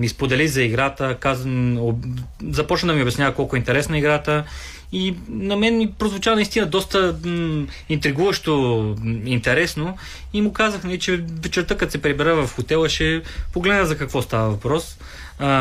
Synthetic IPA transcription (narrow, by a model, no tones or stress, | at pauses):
mispod̪ɛlizɐiɡɾat̪əkazozɐpɔt͡ʃnəd̪ɐmiʊbɛsnʲjavɐkɔlˠkʊɛint̪ɛɾɛsnɐiɡɾat̪ə | inɐmɛnːipɾozvʊt͡ʃavnist̪inəd̪ɔst̪ə | int̪ɾiɡuvɐʃt̪o | int̪ɛɾɛsno | imʊkazəxnɐlit͡ʃɛvɛt͡ʃɛɾt̪əkɐt̪sɛpɾibɛɾəvɐfxot̪ɛlˠɐʃɛpoɡlɛd̪nəzɐkɐkvɔst̪avəvɐpɾɔs